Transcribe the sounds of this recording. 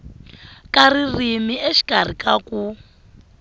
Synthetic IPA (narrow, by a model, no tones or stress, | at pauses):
karirimieʃi̥kʼarikaku